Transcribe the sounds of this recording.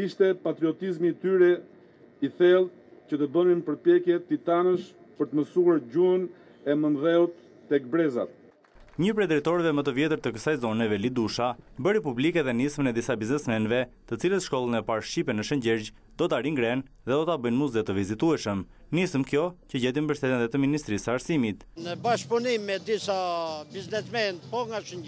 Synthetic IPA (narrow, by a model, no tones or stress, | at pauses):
iʃt̪ɛpat̪ɾiɔt̪izmiːt̪yɾɛ | iθɛlˠ | cət̪əd̪ɔninpəɾpjɛkjɛt̪it̪anəʃ | pəɾt̪əməsuaɾɟuən | ɛmənðɛut̪ː | ɛk̚bɾɛza̰t̪̚ | ɲəp̬ɾɛd̪ɾɛjt̪ɔɾvɛmət̪əvjɛt̪əɾt̪əkəsajzɔnɛvɛlid̪uʃabəɾipublikɛðɛnismənɛd̪isabiznɛsmɛnvɛt̪ət͡silət̪ʃkɔlˠənɛpaɾʃipɛnəʃəɲɟɛɾd͡ʑ | d̪̥ɔt̪aɾiŋɡɾɛn | ðɛd̪ɔt̪abəjnmuzd̪ɛt̪əvizit̪uɛʃəm | nisəmkjɔcəɟɛt̪imbəʃt̪ɛt̪inðɛt̪əminist̪ɾisəaɾsimit̪ | nəbaʃpunimːɛd̪isabiznɛsmɛnt̪pɔŋɡaʃəɲ